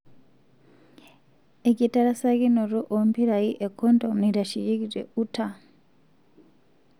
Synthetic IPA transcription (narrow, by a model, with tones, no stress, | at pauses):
e˨ki˨ta˦ɾa˦sa˦ɣi˦no˨ɾu˦ʔombi˦ɾa˨i˦ʔe˨ko˦ndomni˨ɾa˨ʃi˨ji˦ɡi˨ɾḛ˨uta